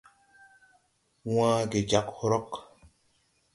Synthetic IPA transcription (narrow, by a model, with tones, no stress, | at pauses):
wãː˦ɡe˨d͡ʒa˨˦khɾɔ˦k